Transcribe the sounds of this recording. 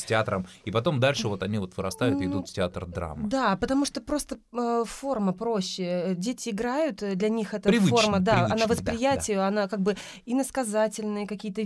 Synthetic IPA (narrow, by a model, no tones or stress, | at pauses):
sʲtʲɪat̪ɾəmipɐt̪o̞md̪alʲʂɨvo̞t̪ɐnʲivo̞t̪vɨɾɐ̰st̪ajʊt̪ɪd̪ut̪ftʲɪat̪rd̪ɾa̰mːɨd̪apət̪ɐmuʂt̪opɾo̞st̪əəfo̞rməpɾo̞ɕːɪədʲetʲɪːɡɾajʊt̪d̪lʲɐnʲixɛt̪əɾʲɪvɨfo̞rməd̪aɐnavəspɾɾʲɪjætʲɪjʊɐnakaɡ̚bɨ | inəskɐzatʲɪlʲnɨjəkɐkʲijət̪ə